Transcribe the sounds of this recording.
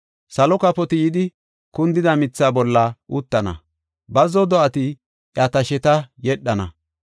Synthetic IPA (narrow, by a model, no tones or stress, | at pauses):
sɐlɔkɐpɔt̪ɪjɪd̪ɪ | kʊnd̪ɪd̪ɐmɪt͡sːaːbɔlːɐʔut̪ːɐnɐ̰ | bɐzɔd̪ɔʔɐt̪ɪ | ʔjat̪ɐʃɛt̪ɐjɛɗːɐnɐ̰